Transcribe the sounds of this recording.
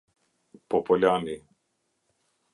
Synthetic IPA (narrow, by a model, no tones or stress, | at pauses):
popoʎʲani